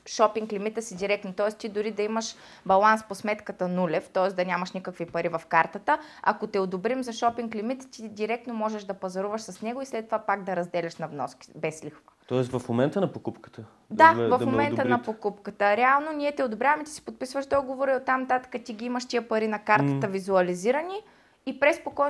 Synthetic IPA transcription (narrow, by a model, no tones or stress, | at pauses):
ʃɔpiŋklimit̪əsid̪iɾɛk̪̚not̪ɔɛst̪id̪ʊɾid̪ɐiməʃ | bɐlˠansposmɛt̪kət̪ənulʲɛft̪ɔɛsd̪ɐnʲamɐʃnikəkvipɐɾivɐfkaɾt̪ət̪əɐ̰kot̪ɛod̪obɾimzɐʃɔpiŋklimit̪ːid̪iɾɛk̚t̪nomɔʒɛʃd̪ɐpɐzɐɾuvəʃsɐsnɛɡoislɛt̪ːovapaɡd̪ɐɾɐzd̪ɛlʲɛʃnɐvnɔski̥bɛslixvət̪ɔɛsvɐfmomɛnt̪ənɐpokupkə̥t̪ə | d̪avɐfmomɛnt̪ənɐpokupkət̪əɾɛalˠnonʲiɛt̪ɛod̪obɾʲjavɐmit̪i̥si̥pot̪̚pisvəʒd̪ɔɡovoɾiot̪ːamnɐt̪at̪ə̥kət̪iɡiiməʃt̪iəpɐɾinɐkaɾt̪ət̪əvizuɐliziɾɐniː | pɾɛspokɔ